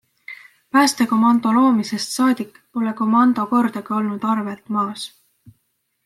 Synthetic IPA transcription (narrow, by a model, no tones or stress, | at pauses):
pæːst̪eko̞mɑnd̪̥o̞lo̞ːmisest̪sɑːd̪̥ʲikːˑ | po̞leko̞mɑnd̪̥oko̞rd̪̥ɑɡ̥ɑo̞lnud̪̥ɑrvelt̪ˑmɑːs